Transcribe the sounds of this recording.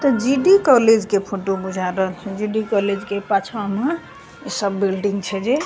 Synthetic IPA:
t̪ɔd͡ʒiɖikɔled͡ʒkepʰoʈobud͡ʒʱaɾəɦəlt͡ʃʰɛd͡ʒiɖikɔled͡ʒkepat͡ʃʰaəmɦa | səbːilɖiŋɡt͡ʃʰɛd͡ʒe

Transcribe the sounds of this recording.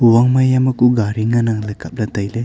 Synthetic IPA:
uwaŋmajamakuɡaɾiŋanaŋləkap̚lat̪ajle

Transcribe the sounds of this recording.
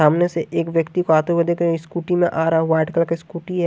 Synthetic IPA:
aːmneseʔeːkʋjəkt̪ikoaːt̪eɦued̪eːkɾeskuːʈimẽʔaːɾɦʊaːɪʈkəlkeskuːʈiɦɛ

